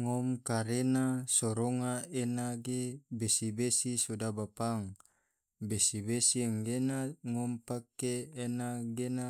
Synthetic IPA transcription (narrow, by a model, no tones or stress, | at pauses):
ŋomkaɾenasoɾoŋaenaɡebesibesisodabapaŋ | besibesiɛŋɡenaŋompakeːnaɡena